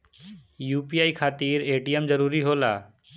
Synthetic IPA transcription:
juːpiaikʰat̪iːɾeʈijəmd͡zəɾuːɾiɦoːla̰ː

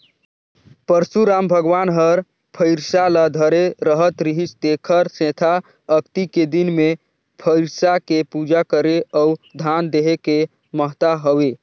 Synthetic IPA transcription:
pəɾsuɾambʱəɡʋanɦəɾ | pʰəɪɾsalad̪ʱəɾeɾəɦət̪ɾiɦit͡ʃd̪ekʰəɾsẽt̪ʰa | əkt̪iked̪inme | pʰəɪɾsakepud͡ʒakəɾeəud̪ʱand̪eɦeke | məɦt̪aɦəʋe

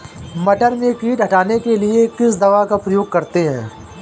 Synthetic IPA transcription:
mɐʈəɾmẽkiːʈɦɐʈaːnekeliekɪsd̪ɐʋakapɾɐjoːɡ̚kɐɾt̪eɦɛ̰̃ː

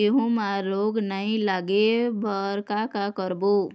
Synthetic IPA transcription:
eɦũmaloːɡnaɦĩlaːɡebəɾkakakəɾbo

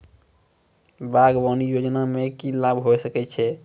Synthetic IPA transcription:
baɡbanijod͡ʒnamekilabɦosəkɛt͡ʃʰɛ

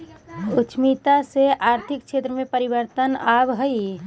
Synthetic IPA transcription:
ut͡ʃʰmit̪aseʔaːɾt̪ʰikt͡ʃʰet̪ɾəmẽpəɾibəɾt̪ənabɦəi

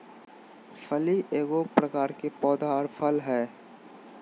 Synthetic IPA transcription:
fʰəliʔeːɡopɾəkaːɾkepɔːd̪aɾpʰəlɦɛː

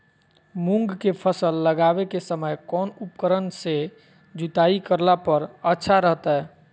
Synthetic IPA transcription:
mũŋɡkepʰəsəlːəɡabekesəməjkɔːnupkəɾənse | d͡ʒut̪aikəɾlapəɾətːʃʰaɾəɦt̪aɦɛː

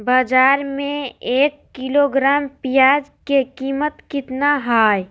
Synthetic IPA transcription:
baːd͡ʒaːɾmẽeːkːiloɡɾaːmpijaːd͡ʒkekiːmət̪kɪt̪naɦaːj

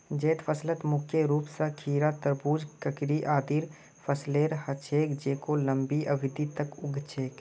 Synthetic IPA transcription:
d͡ʒeːt̪pʰəslət̪mʊkʰjeɾuːpsakʰiːɾat̪əɾbuːd͡ʒkəkɾiʔaːd̪iɾ | pʰəsleːɾhət͡ʃʰeːkd͡ʒeːkoləmbiʔəbɪd̪it̪əkʊɡʱt͡ʃʰeːk

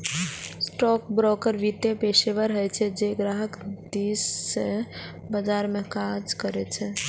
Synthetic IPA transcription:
sʈɔk̚bɾɔkəɾʋit̪epeseʋəɾɦəjt͡ʃʰɛd͡ʒeɡɾaɦəkd̪isːe | bəd͡ʒaɾmekad͡ʒkəɾɛt͡ʃʰɛ

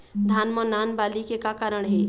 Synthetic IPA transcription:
d̪ʱaːnmənaːnbaːlikekakaːɾəɽ̃ɦɛː

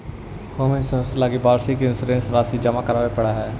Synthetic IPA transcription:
koːmẽnsə̃slaːɡibaːɾsikensɾẽːnsɾaːsid͡ʒəmakəɾaːʋepɐɽaɦɛː

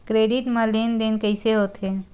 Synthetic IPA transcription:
kɾeːɖɪʈmãleːnd̪eːnkəɪseɦoːt̪ɦeː

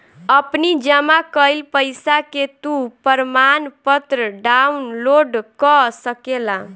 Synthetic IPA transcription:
əpnid͡ʒəmakəjlpəjsaket̪upəɾmanpət̪ɾəɖaunloɖkɔsəkela

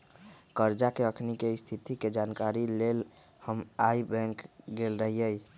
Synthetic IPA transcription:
kəɾd͡ʒakeəkʰnikeist̪ʰit̪iked͡ʒankaɾilel | həmaibɛ̃ŋkɡelɾəɦijəj

